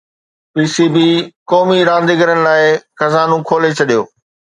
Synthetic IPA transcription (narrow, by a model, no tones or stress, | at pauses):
piːsibiːkɔːmiɾãːn̆d̪iɡəɾənɪ̆laːɪxɐzaːnũkʰoːlet͡ɕʰɐɗijo̰ː